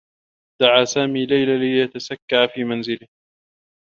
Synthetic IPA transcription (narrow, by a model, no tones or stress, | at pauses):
d̪̥aʕaːsaːmiːlajlalɪjat̪asakːaʔfiːmanzɪlɪh